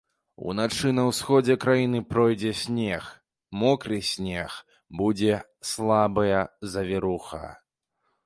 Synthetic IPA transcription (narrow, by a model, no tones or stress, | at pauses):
ṵnat͡ʂɨnɐwsxɔd͡zʲɛkɾajinɨpɾɔjd͡zʲɛsʲnʲɛx | mɔkɾɨsʲnʲɛx | bud͡zʲɛ | slˠabɐjɐzɐvʲiɾuxɐ̰